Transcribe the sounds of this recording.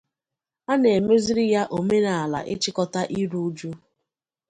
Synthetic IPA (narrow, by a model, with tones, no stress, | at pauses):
a˦ne˨e˨me˦zi˦ɾi˦ja˦ʔo˨me˦na˨a˨la̰˨ʔɪ˦t͡ʃɪ˦kɔ˦ta˦ʔi˦ɾu˦d͡ʒu˦